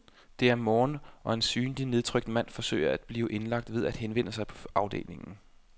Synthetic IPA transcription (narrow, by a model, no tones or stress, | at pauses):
d̥e̝æɐmɒːnɒ̽e̝nsyːndine̝ð̞ˠt͡sʰʁœɡ̥d̥mæn̰fɒ̽sø̰ːɪɐæd̥b̥liːʊʔe̝nlɑ̈ɡ̥d̥ʋe̝ð̞ˠæd̥henʋen̰əsɑ̈ɪpʰɒ̽ɑ̈ʊd̥e̝̰ːle̝ŋn̩